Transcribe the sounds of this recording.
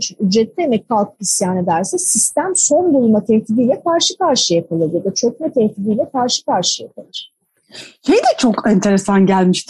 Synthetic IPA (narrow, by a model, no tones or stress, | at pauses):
t͡ʃʰyd͡ʒɾɛt̪̚lʲiemɛc̚kʰalˠkʰɯ̥isjaːnɯd̪æɾsɛsist̪æmso̞nbulˠumat̪ʰɛt̪ʰid̪ijlʲɛkʰaɾʃɯkaɾʃɯjapʰalˠɯɾjad̪at͡ʃʰok̚nɛt̪ʰɛht̪ʰid̪iːlʲɛkʰaɾʃɯ̥kaɾʃɯjapʰalˠɯɾ̥ | ʃejd̪ɛt͡ʃʰo̞kænt̪ʰe̞ɾesanɟælʲmiʃt̪ʰɪ